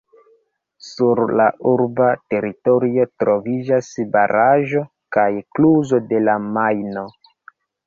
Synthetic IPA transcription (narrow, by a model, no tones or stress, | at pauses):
suɾlaʔuɾbate̞ɾito̞ɾio̞tɾo̞vid͡ʒasbaɾʔaʒo̞ | kajkluzo̞de̞lamajno̞